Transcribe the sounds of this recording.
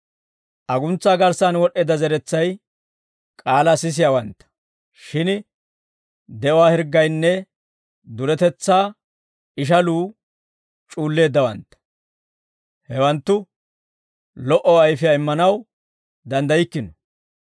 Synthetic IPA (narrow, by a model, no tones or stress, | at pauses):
ʔɐɡʊnt͡sːaːɡɐɾsanwɔɗːeːd̪ɐzɛɾɛt͡sːɐj | kʼaːlɐsɪs̬ɪjawɐnt̪ːɐ̥ | ʃɪn | d̪ɛʔɔwaːhɛɾɡːɐjnːɛ | d̪ʊɾɛt̪ɛt͡sːaː | ɪʃ̬ɐluː | t͡ʃʼuːlːe̞ːd̪ːɐwɐ̰nt̪ːɐ̥ | hɛwɐnt̪ːʊ | lɔʔɔɐjfɪjaɪmːɐnɐw | d̪ɐnd̪ɐjɪkːɪnɔ